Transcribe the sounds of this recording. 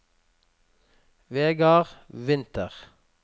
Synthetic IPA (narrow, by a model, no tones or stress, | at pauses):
ʋeːɡɑːʁʋɪnt̪ʰəʁ